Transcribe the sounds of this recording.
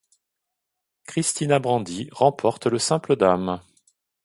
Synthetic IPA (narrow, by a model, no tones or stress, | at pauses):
kχist̪inabʁɑ̃d̪iʁɑ̃pʰɔʁt̪ləsɛ̃pləd̪am